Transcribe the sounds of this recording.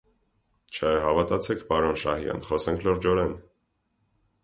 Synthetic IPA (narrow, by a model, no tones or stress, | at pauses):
t͡ʃʰəɦɑvɑt̪ɑt͡sʰɛkʰpɑɾɔnʃɑ̰hijɑ̰nχɔsɛŋkʰlɔɾd͡ʒɔɾɛn